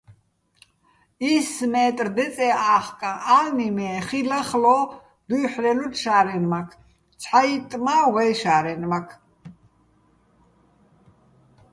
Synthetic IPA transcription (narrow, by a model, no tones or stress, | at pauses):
ismɛːt̪ʼrd̪ɛt͡sʼɛaːχkʼaʔalnimɛːχilaχlɔ | d̪ujħlɛlut̪ʃaːɾɛnmakʰ | t͡sʰħait̪ʼmaːwɛʃaːɾɛnmakʰ